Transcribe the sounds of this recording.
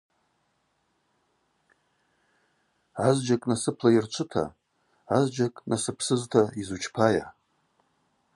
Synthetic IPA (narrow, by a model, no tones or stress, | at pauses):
azd͡ʒakʼnasɨpʰlajirt͡ʃʷʰɨtʰa̰ | azd͡ʒakʼnasɨpʰsɨztʰaizut͡ʃʰpʰaja̰